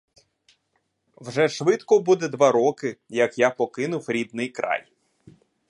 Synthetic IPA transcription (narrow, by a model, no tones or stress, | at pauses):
wʒɛʃʋɪt̪kɔbud̪ɛd̪ʋɑɾɔkɪjɐkjapɔkɪnʊwɾʲid̪̚nɪjkɾɑ̰j